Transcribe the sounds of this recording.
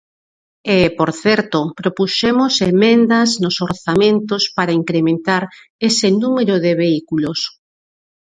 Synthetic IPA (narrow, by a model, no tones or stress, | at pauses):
epoɾθɛɾt̪opɾopusemosemẽnd̪ɐznosoɾθamẽnt̪ospaɾaiŋkɾemẽnt̪aɾ | esenumeɾoðeβeikulos